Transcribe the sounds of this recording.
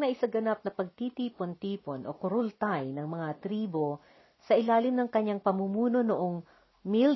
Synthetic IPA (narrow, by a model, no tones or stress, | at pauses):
nɐʔɪsɐɡɐnap̚nɐpɐɡ̚t̪it̪iːpont̪iːponʔokʊɾolt̪ajnɐŋmɐŋat̪ɾiːbo̞ | sɐʔɪlaːlɪmnɐŋkɐɲːaŋpɐmumuːno̞noʔoŋ | mil